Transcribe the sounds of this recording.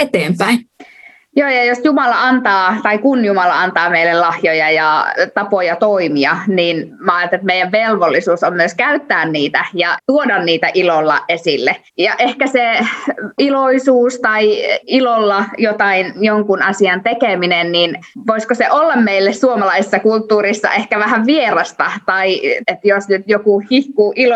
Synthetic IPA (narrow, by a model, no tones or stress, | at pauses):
et̪eːmpæin | joːjɑjosjumɑlɑɑnt̪ɑːt̪ɑikunjumɑlɑɑnt̪ɑːmeilːellɑhjojɑjɑt̪ɑpojɑt̪oimiɑniːn | mɑːɑt̪et̪mejˑæʋʋelʋolːisuːsommyøskæyt̪ːæːnniːt̪æjɑt̪uodɑnniːt̪æʔilolːɑ̰ʔʔesilːe | jɑʔehkæse | iloisuːst̪ɑiilolːɑjot̪ɑinjoŋkunɑsiɑnt̪ekeminenninʋoiskoseʔolːɑmmeilːessuomɑlɑisesːɑkult̪ːuːrisːɑ̰ʔehkæʋæhæʋʋierɑst̪ɑt̪ɑiet̪josnyt̪jokuhihkuːʔilo